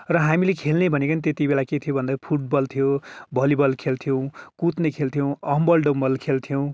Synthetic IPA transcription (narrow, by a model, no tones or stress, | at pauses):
rʌɦamilekʰelnebʱʌnekʌnit̪et̪ibelaket̪ʰijobʱʌnd̪apʰuʈ̚bʌlt̪ʰijobʌlibʌlkʰelt̪ʰijow̃kut̪nekʰelt̪ʰijow̃ʌmbʌlɖombʌlkʰelt̪ʰijow̃